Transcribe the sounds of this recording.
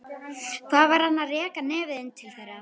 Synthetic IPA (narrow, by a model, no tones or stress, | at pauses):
θaðvaɾhanːarɛːkanɛːvɪðɪnt̪ʰɪlθɛjɾa